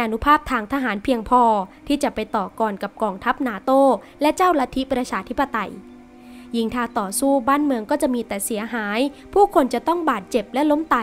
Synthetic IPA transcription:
ʔa˧nu˦˥pʰaː˥˩p̚t̪ʰaː˧ŋt̪ʰa˧ɦaː˩˦npʰi˧əŋpʰɔː˧t̪ʰiː˥˩t͡ɕa˨˩pa˧jt̪ɔː˨˩kɔː˧nka˨˩p̚kɔː˧ŋt̪ʰa˦˥p̚naː˩˦t̪oː˥˩ | lɛ˦˥t͡ɕaː˥˩wla˦˧˥t̪ʰi˦˥pɾa˧t͡ɕʰaː˧t̪ʰi˦˥pːa˧t̪a˧j | ji˧ŋt̪ʰaː˧˩t̪ɔː˨˩suː˥˩baː˥˩nmɯ˧əŋkɔː˥˩t͡ɕa˨˩ʔmiː˧t̪ɛː˨˩si˩˦ɐɦaː˩˦jpʰuː˥˩kʰo˧nt͡ɕa˨˩t̪ɔ˥˩ŋbaː˨˩t̪̚t͡ɕe˨˩p̚lɛ˦˥lo˦˥mt̪a˧

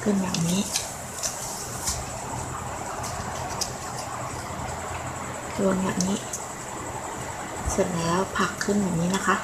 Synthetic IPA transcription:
kʰɯ˥˩nba̰ː˨˩w̚niː˦˥ | du˧nba̰ː˨˩p̚niː˦˥ | so˨˩t̪̚lɛːɛː˦˥wpʰa˨˩kʰːɯ˥˩nbɛː˨˩p̚niː˦˥na˦˥kʰa˦˥ʔ

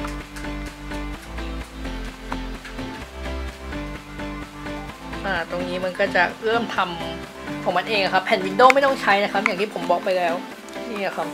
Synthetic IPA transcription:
ʔaː˧˩t̪oː˧ŋniː˦˥ma˧nkɔː˥˩t͡ɕa˨˩ɾɤ˥˩əmt̪ʰa˧m | kʰɔː˩˦ŋma˧nʔeː˧ŋʔa˨˩kʰa˦˥pʰːɛ˨˩˦nwi˨˧˥ndoː˥˩ma˥˩jt̪ɔ˥˩ŋt͡ɕʰa˦˥jna˦˥kʰa˥p̚jaː˨˩t̪i˥˩pʰo˩˦mbɔː˨˩k̚pa˧jlɛː˦˥w | niː˥˩la˨˩kʰa˦˥p̚

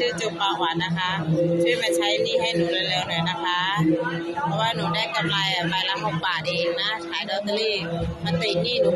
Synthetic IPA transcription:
ɯː˧˩t͡ɕu˨˩p̚pːaː˨˩waː˨˦nːa˦˥kʰa˦˥ʔt͡ɕʰɯ˥˩əjma˥˩jt͡ɕʰa˦˥jniː˧˥˩ha˧˥˩jnuː˨˦ɾɯː˧˩jlɛː˧˥˩wnɔ˨˩˦jna˦˥kʰa˦˥ | pʰɔ˦˥waː˥˩nuː˧˩˦daː˥˩jka˧mlaː˧jɛː˨˩pa˧jlaː˧ɦɔ˨˩ŋ̚baː˨˩t̪̚ʔeː˧ŋna˦˥t͡ɕʰaː˨˦jdɔː˧t̪ə˧liː˧˩ma˧˥˨npa˧˩ji˨˩niː˥˩nuː˧˦

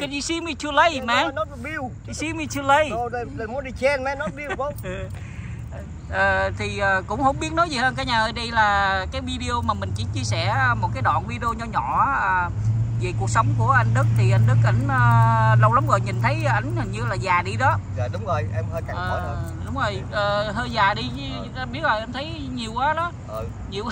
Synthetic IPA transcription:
ka˨˦i˧si˧mi˧t͡ɕɨ˧lə˧jmɛ˧˩˦nɔ˨˦˥ɓi˧w | i˧si˧mi˧t͡ɕɨ˧lə˧jo˧ə˨˩ɗə˨˩jmu˨˦nɗi˧t͡ɕɛ˧nmɛ˨˦˥nɔ˨˦˥ɓi˧wo˧˦˨ | ʔəː˨˩t̪ʰi˨˩ʔəː˨˩kʊ̰˧˥wŋ͡mhə̰˧˥wŋ͡mɓi˦˥ət̚nɔ˨˦jzi˨˩həː˧nkaː˨˦jɲaː˨˩ʔəː˧˩ɗə˧jlaː˨˩kaː˨˦jvi˧ɗi˧o˧maː˨˩mï˨˩ŋ̟t͡ɕḭ˧˩ət͡ɕi˧əsɛ˧˩ə˧mo˨˩t̚kaː˨˦jɗɔ̰ː˧˨nvi˧ɗi˧o˧ɲɔ˧ɲɔ̰˧˨ʔːʔəː˨˩ve˨˩ku˨˩ək̚sə˨˦wŋ͡mku˧˩əʔa˧jŋ̟ɗɨ˦˥k̚t̪ʰi˨˩ʔa˧jŋ̟ɗɨ˦˥k̚ʔa˧˩jŋ̟ʔəː˨˩lə˧wla˨˦mɣo˨˩jɲï˨˩nt̪ʰə˨˦jʔa˧˩jŋ̟ə˨˩ŋɲɨ˧laː˨˩zaː˨˩ɗi˧ɗɔ˨˦a˧˨˩ɗʊ˨˦ŋ͡mzo˨˩jʔɛ˧mhəː˧jka˨əː˨ɔ˧˨˦ɗʊ˨˦ŋ͡mzo˨˩jʔəː˨˩ɦəː˧jzaː˨˩ɗi˧˨˧t̪aː˧ɓi˦˥ət̚zɔ˨˩ʔɛ˧mt̪ʰə˨˦j | ɲi˨˩əwʔaː˨˦ɗɔ˨˦ʔə˧˩ | ɲi˨˩əw

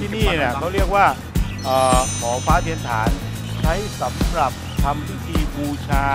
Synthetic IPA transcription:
t̪ʰiː˥˩niː˥˩na˧˩kʰa˦˥˩wɾi˥˩ək̚waː˥˩ | ʔɤː˨˩kʰɔː˩˦faː˦˥t̪ʰi˧˩ənt̪ʰaː˩˦n | t͡ɕʰa˦˥jsa˩˦mɾa˨˩p̚t̪ʰa˧mpi˦˥t̪ʰiː˧buː˧t͡ɕʰaː˧

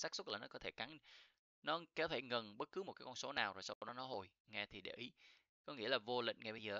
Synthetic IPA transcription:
saː˦˥k̚su˦˥t̚laː˨˩nɔ˨˦kɔ˨˦t̪ʰe˧˩ka˨˦n˧ | nɔ˨˦˧kɛ˧˦wt̪ʰe˧˩ŋə˨˩nɓə˦˥t̚kɨ˨˦mo˨˩kaː˨˦jkɔ˧nso˨˦naː˨˩wzo˨˩sa˧wɗɔ˨˦nɔ˨˦ɦo˧˩j | ŋɛ˧t̪ʰi˨˩ɗe˧˩ʔi˨˦ | kɔ˨˦ŋḭ˧˥əlaː˨˩vo˧lï˨k̟ŋa˧jɓə˧jzəː˨˩

